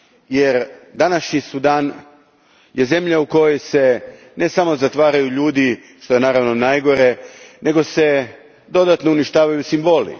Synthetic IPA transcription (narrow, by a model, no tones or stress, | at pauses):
je̞ɾd̪anaʃɲisud̪aːn | je̞ze̞mʎauko̞jo̞jse̞ | ne̞samo̞zat̪ʋaːɾajuʎuːd̪i | ʃt̪o̞je̞naːɾaʋno̞najɡo̞ɾe̞nʔe̞ɡo̞se̞ | d̪o̞d̪at̪nouniʃt̪aːʋajusimbo̞lḭ